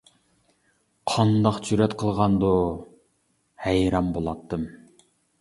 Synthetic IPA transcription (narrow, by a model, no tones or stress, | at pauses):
qʰɑnd̪ɑqt͡ʃʰyɾɛt̪qʰəlˠʁɑnd̪u | hæjɾɑmbolˠɑt̪ːɨm